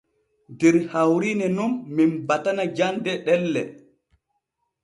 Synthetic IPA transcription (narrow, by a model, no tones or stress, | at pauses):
dɛɾhawɾinɛnumːinbatanad͡ʒandɛɗɛlːɛ